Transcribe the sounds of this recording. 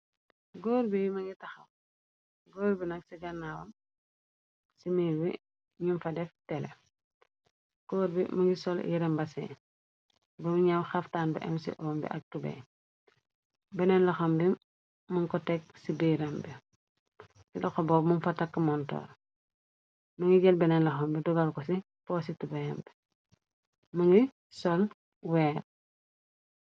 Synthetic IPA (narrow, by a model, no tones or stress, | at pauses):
ɡɔːɾbijmɐŋɡitɐxɐ̰m | ɡɔːɾbinɐk̚siɡɐnːaːwɐm | simibḭ | ɲunfɐdɛftɛlɛ̰ | ɡ̥ɔːɾbḭmɐŋɡisɔljiɾɐmbɐsɛ̰ː | bɐmuɲawxɐftaːnbɐ̰ʔɛ̰msḭʔɔmbḭʔɐk̚tubɛ̰ː | bɛnɛnlɐxɐmbi | muŋkɔtɛksibiɾɛmbi | sidɐxɔbɔːbmunfɐtɐkːəmɔntɔ̰ːr | mɐŋɡiɟɛlbɛnɛnlɐxɐmbidɔɡalkɔsi | pɔːsitubɛjɛmbi̥ | mɐŋɡi | sɔl | wɛːr